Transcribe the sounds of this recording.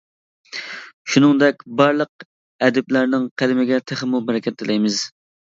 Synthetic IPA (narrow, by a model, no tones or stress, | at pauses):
ʃunɨŋd̪ɛkʲbɑɾlˠəq̚ | ɛd̪ɪplæɾnɪŋqʰælɪmɪɡʲɛt̪ʰɪχəmubɛɾɛkʲʰɛt̪̚ːɪlɛjmɪz